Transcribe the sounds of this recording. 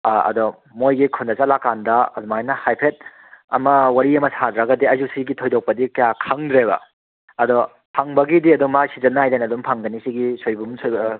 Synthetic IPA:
ɐ̰dɔ | mojɡikʰundɐsalakandɐɐdumajnɐhajpʰet̚ | ɐ̰mɐwɐɾiɐmɐsadɾɐɡɐdiɐzusiɡitʰojdok̚pɐdikɐjakʰaŋdɾeβɐ̰ | ɐdɔ | pʰaŋbɐɡidiɐdumasizɐnːaajdajnɐdumpʰaŋdɐnisiɡisojbumsojbɐ

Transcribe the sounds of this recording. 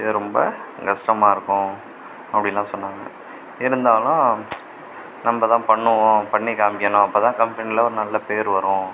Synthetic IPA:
ɪðɯɾɔmbɐɡɐʂʈɐmaːɪɾɯkːʊ̃ | ɐpːɐɽɪnlːãːsɔnːaːŋɐ | ɪɾɯnd̪aːlʊ̃ | nɐmbɐt̪ãːpɐɳːɯʋʊ̃pɐɳːɪkːaːmbɪːɐnʊ̃ɐpːoːt̪ãːkɐmpɐnilɐɔɾɯnɐlːɐpeːɾʋɐɾʊ̃

